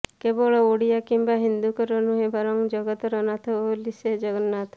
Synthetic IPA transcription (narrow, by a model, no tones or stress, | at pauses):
kebɔɭɔoɽijakimbaɦind̪ukɔɾɔnuɦẽbaɾɔŋd͡ʒɔɡɔt̪ɾɔnat̪ɔolised͡ʒɔɡənːat̪ʰ